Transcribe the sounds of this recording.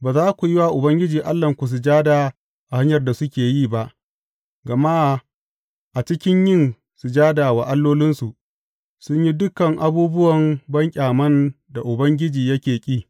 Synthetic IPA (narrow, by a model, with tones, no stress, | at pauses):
baː˨zaː˦kʷu˨ji˦waː˦˨ʔʊ˨bɐ˦ŋɡʲɪ˦d͡ʒiː˨ʔa˦lːɐ˨ŋkʷu˨s̬u˨d͡ʒaː˦da˨ | ʔa˨ha˦ɲjɐ˨rda˨sʊ˦kʲeː˨jiː˦ba˦ʔ | ɡɐ˨ma˦ʔ | ʔa˨t͡ʃɪ˦kʲɪ˦ɲjɪ˦n | su˨d͡ʒaː˦da˨wa˨ʔa˦lːoː˦lɪ˦nsu˨ʔ | sʊ˦ɲji˦dʊ˦kɐ˨ŋʔa˦buː˦bʊ˦wɐ˨mbɐ˦ŋkʲʼaː˨mɐ˦n | da˨ʔʊ˨bɐ˦ŋɡʲɪ˦d͡ʒiː˨jɐ˦kʲeː˨kʲʼiː˦